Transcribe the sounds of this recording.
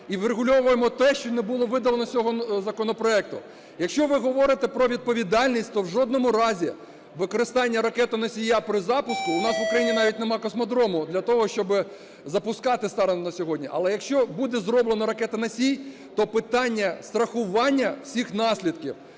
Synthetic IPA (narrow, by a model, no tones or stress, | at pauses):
iʋɾeɣʊlʲɔʋʊjemɔt̪ɛʃt͡ʃɔnebulˠɔʋɪd̪ɐlˠenɔsʲɔɦɔzɐkɔnɔpɾɔɛk̚t̪ʊ | jɐkʃt͡ʃɔʋɪɦɔʋɔɾɪt̪ɛpɾɔʋʲid̪̚pɔʋʲid̪ɑlʲnʲisʲtʲt̪ɔwʒɔd̪nɔmʊɾɑzʲi | ʋɪkɔɾɪst̪ɑnʲːɐɾɐkɛt̪ɐnɐsʲijapɾɪzɑpʊskʊʊnɑsʋʊkɾɐjinʲinɑʋʲit̚ʲnemɑkɔsmɔd̪ɾɔmʊd̪lʲɐt̪ɔɦɔʃt͡ʃɔbɪ | zɐpʊskɑt̪ɪst̪ɑɾɐnɔnɐsʲɔɦɔdʲnʲiʔɐ̰lˠɛjɐkʃt͡ʃɔbud̪ɛzɾɔblˠenɔɾɐkɛt̪ɐnɐsʲij | t̪ɔpɪt̪ɑnʲːɐst̪ɾɐxʊʋɑnʲːɐw̥sʲixnɑsʲlʲid̪kʲḭw